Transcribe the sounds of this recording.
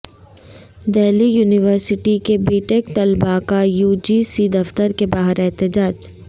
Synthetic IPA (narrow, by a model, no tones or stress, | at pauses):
d̪ɛːlijuːnɪʋəɾsɪʈikebiːʈekt̪ɐlbakajuːd͡ʒisiːd̪ɐft̪əɾkebaːɦəɾɛɦt̪ɪd͡ʒaːd͡ʒ